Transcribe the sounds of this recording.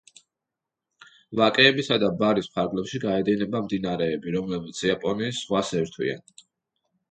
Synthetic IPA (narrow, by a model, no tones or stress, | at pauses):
vakʼɛːbisad̪abaɾispʰaɾɡlɛpʃiɡaɛd̪inɛbamd̪inaɾɛːbiɾɔmlɛbit̪sʰiapʼɔniːsχwasɛɾt̪ʰwḭa̰n